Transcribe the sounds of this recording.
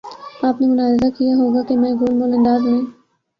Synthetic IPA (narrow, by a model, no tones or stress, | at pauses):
aːpnemʊnaːzɪd̪akijaɦoːɡaːkemɛ̃ːɡoːlmoːlə̃nd̪aːzɦẽː